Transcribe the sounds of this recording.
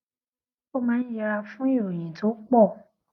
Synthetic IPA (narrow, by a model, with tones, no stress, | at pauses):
o˦˨mã˨˦ja˧a˧fũ˦ji˦˨ɾo˨jĩ˨to˨˦k͡pɔ˦˨